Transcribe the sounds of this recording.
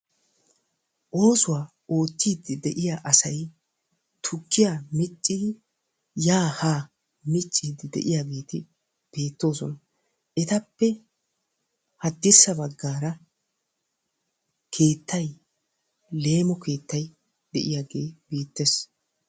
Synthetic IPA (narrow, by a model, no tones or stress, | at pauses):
ʔo̞ːsʊwaː | o̞ːt̪ːiːd̪ːɪd̪ɛʔɪjaːʔɐsɐj | t̪ʰʊkʰːɪjaːmɪt͡ʃʼːɪd̪ɪ | jaːhaː | mɪt͡ʃʼːiːd̪ɪd̪ɛ̰ʔɪjaːɡe̞ːt̪ɪ | b̥e̞ːt̪ːo̞ːsɔnɐ | ɛt̪ɐpːɛ | hɐd̪ːɪsːɐbɐɡːaːɾɐ | kʰe̞ːt̪ːɐj | le̞ːmɔkʰe̞ːt̪ːɐj | d̪ɛʔɪjaːɡe̞ːbe̞ːt̪ːes